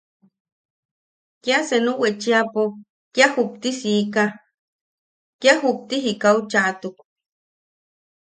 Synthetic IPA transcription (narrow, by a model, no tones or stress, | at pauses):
kiasenuwet͡ʃiapo | kjahup̚t̪isika | kjahup̚t̪iɦikaut͡ʃaʔt̪uk̚